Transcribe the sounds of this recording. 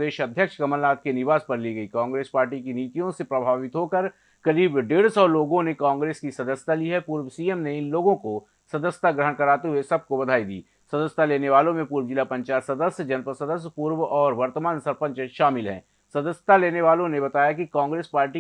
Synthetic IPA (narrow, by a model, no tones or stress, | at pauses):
d̪eːʃɐd̪ʱːjəkʃkɐməlnaːt̪̚kenɪʋaːspɐɾliɡɐikãːŋɡɾeːspaːɾʈikiniːt̪ijõsepɾɐbʱaːʋɪt̪ɦoːkəɾ | kɐɾiːbɖeːɽsɔːloːɡõnekãːŋɡɾeːskisɐd̪əst̪aliɦɛpuːɾwsiːemneɪnloːɡõko | sɐd̪əsjə̥t̪ʰaɡɾəɦəɳ̃kɐɾaːt̪eɦuesɐb̚kobɐd̪ʱaːid̪ḭː | sɐd̪əsjt̪aleːneʋaːlõmẽpuːɾʋəd͡ʒɪlapɐ̃ɲt͡ʃaːsɐd̪əsjd͡ʒɐnpəsɐd̪əsjpuːɾʋɔːɾʋɐɾt̪əmaːnsɐɾpə̃ɲt͡ʃʃaːmɪlɦɛ̰̃ː | sɐd̪əsjət̪aleːneʋaːlõnebɐt̪aːjakikãːŋɡɾeːspaːɾʈi